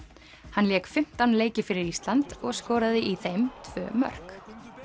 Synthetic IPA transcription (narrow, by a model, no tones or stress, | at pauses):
hanljɛːkfɪm̥t̪anleːjcɪfɪɾɪɾist̪lant̪ɔɣskɔːɾaðɪʔiθejmt̪ʰv̥œ̰ːmœ̰r̥k